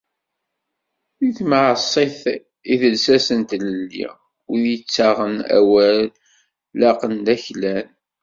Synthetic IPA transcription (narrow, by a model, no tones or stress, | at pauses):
iθməʕəsˤːeθ | iðəlsæsənt̪ləlːḭ | wijət͡sːaʁənæ̰wælː | ɑqənd̪æçlæn